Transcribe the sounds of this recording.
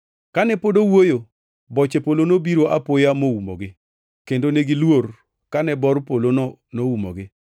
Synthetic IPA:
kanɛpodowojo | bɔt͡ʃepolonobiɾoʔapojamoumo̰ɡɪ | kendoneɡilwor | kanɛbɔrpolonɔnoumo̰ɡɪ

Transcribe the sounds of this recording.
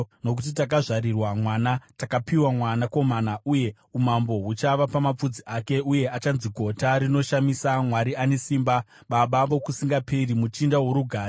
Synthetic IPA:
no̞k̬ut̬itak̬aʐaɾirwamwanatakapiwamwanako̞manaʔuje̞ | umambo̞ɦut͡ʃaʋapamap͡fud͡ziʔake̞uje̞at͡ʃanziɡʱo̞taɾino̞ʃamisamwaɾiane̞siːmba | ɓaɓaʋokusiŋɡapʰerimut͡ʃindawo̞ɾuɡʱaː

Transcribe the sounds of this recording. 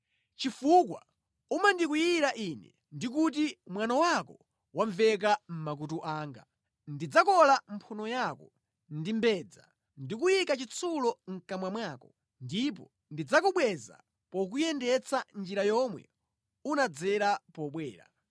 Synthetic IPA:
t͡ʃifukwa̰ | umandik̬ujiɾaʔinɛ̰ | ndik̬ut̬imwanawakɔ | waɱvɛk̬am̩mak̬utuʔaːŋɡa̰ | ndid͡zakɔlampʰunɔjakɔ | ndimbɛd͡za̰ | ndikujikat͡ʃit͡sʰulɔŋ̩kamwamwaːkɔ | ndip̬ɔ | ndid͡zakuɓwɛza̰ | pɔk̬ujɛndɛt͡sʰand͡ʒiɾajɔmwɛ̰ | unad͡zɛɾapɔɓwɛːɾa̰

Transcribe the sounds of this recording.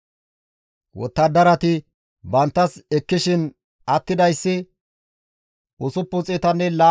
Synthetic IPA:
wɔ̰t̪ːɐd̪ɐɾɐt̪ɪ | bɐnt̪ːɐsɛkːɪʃɪn | ɐt̪ːɪd̪ɐjsːɪ | ʊsʊpːʊt͡sʼɛt̪ɐnːɛlaː

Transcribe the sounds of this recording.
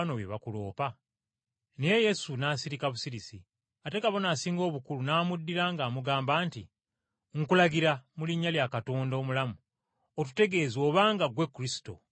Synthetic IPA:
no̞βjḛβakulo̞ːpa | nejeje̞sunaːsiɾikaβusiɾisi | ate̞kaβo̞naːsiːŋɡo̞ːβukulunaːmudːiɾaːŋɡaːmuɡaːmbaːnti | ŋkulaɡiɾamuliɲːaljakatoːndo̞ːmulamu | otu̥te̞ɡe̞ːzo̞ːβaːŋɡaɡwe̞kːuɾisi̥to̞̰

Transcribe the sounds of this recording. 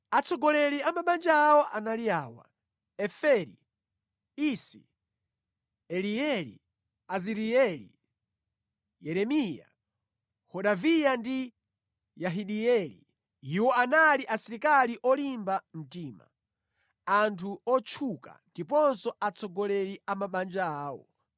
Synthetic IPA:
at͡sʰɔɡɔlɛliamaɓand͡ʒawɔʔanaliaːwa̰ | ɛfɛɾḭ | isi | ɛliɛlḭ | aziɾiɛlḭ | jɛɾɛmija̰ | hɔɗavijandi | jaɦiɗiɛlḭ | iwɔanaliʔasiɾikaliʔɔlimbam̩tiːma̰ | antʰuɔt͡ʃʰuka̰ndipɔnsɔʔat͡sɔɡɔlɛɾiamaɓand͡ʒaaːwɔ̰

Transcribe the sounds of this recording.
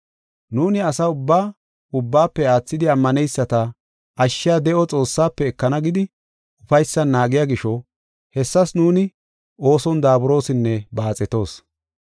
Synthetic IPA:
nuːnɪɐsɐʊbːaː | ʊbːaːpːɛaːt͡sːɪd̪ɪɐmːɐnɛjsːɐt̪ɐ | ɐʃːɪjad̪ɛʔɔt͡sʼo̞ːsːaːpːɛːkːɐnɐɡɪd̪ɪ | ʊfɐjsːɐnːaːɡɪjaːɡɪʃɔ | hɛsːɐsnuːnɪ | o̞ːsɔnd̪aːbʊɾo̞ːsɪnːɛbaːt͡sʼɛt̪o̞ːs

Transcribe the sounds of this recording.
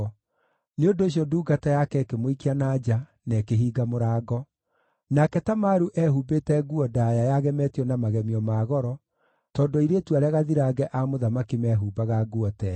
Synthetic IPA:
neondoːɕ̬iɔduːɡatajakɛkemoikianad͡ʒa | nɛkeɦiːɡamoɾaːɡɔ | nakɛtamaɾuʔɛɦubetɛɡuɔdajajaɣɛmɛːtiɔnamaɣɛmiɔmaːɣɔɾɔ | tɔːndoiɾetuaɾeaɣaðiɾaːɣɛʔamoðamakimɛɦuːbaɣaɡuɔtɛ

